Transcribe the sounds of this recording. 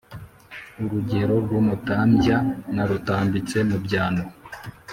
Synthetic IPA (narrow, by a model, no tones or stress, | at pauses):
uɾuɟe̞ɾo̞ɾɡuːmutaːmjanaɾutaːmbit͡se̞mubɟaːno